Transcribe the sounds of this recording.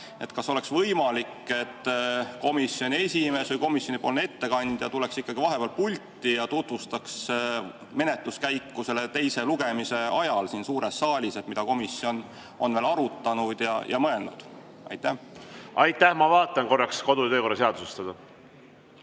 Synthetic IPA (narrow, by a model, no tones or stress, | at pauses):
e̞t̪kɑso̞le̞ksvɤjmɑlikːe̞t̪ːko̞misjo̞nʲie̞sʲime̞ːsvɤjko̞misjo̞nʲipolne̞t̪ːe̞kɑnʲd̪̥jɑ̰t̪uleksikːɑɡivɑɦe̞peɑl̚pulʲt̪ːˑijɑt̪ut̪vust̪ɑks | me̞net̪ˑluskæjkːuse̞le̞t̪e̞jse̞luɡe̞mise̞ɑjɑlsinsuːɾesːɑːlʲiset̪mid̪̥ɑko̞misjo̞n | o̞̰nveːlɑɾut̪ːˑɑnud̪̥jɑ̰jʔɑ̰mɤe̞lnṵd̪̥ | ɑ̰jt̪ːˑæhɑjt̪ːæhmɑvɑːt̪ːˑɑnko̞rːɑksko̞d̪ujɑt̪øːko̞rːɑse̞ɑd̪usest̪ɑd̪ɑ